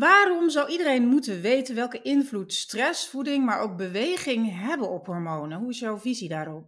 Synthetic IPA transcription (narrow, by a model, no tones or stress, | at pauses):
ʋaːrɔmzʌwidərejnmutənʋejtənʋɛlˠkəʔɪnvlutstrɛsfudɪŋmaːɹʔowk̚bəʋejχɪŋɦɛbənɔpɦɔɹmownəɦuɪsjɔwvizidaːrɔp